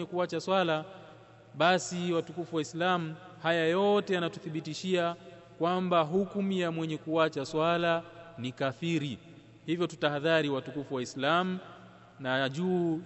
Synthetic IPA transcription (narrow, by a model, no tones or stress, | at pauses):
ɛkuat͡ʃaswala | ɓasiwatukufuwaislamuhajajɔtɛjanatuθiɓitiʃia | kwambaɦukumijamwɛɲɛkuat͡ʃaswalanikaθiɾi | hivjɔtutahaðaɾiwatukufuwaislamu | naʄuː